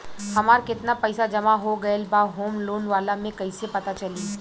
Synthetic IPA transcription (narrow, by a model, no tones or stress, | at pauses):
hɐmaːɾkɪt̪napɛɪsad͡ʒɐmaɦoɡɐelbaːɦoːmloːnʋaːlamẽkɐisepɐt̪at͡ʃɐliː